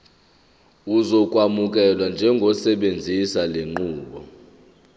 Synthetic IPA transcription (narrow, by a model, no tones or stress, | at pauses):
uzɔkʼwamukʼɛlwand͡ʒʱɛŋɡʱɔsɛɓend͡zʱisaleŋ͡ǃuːɓɔ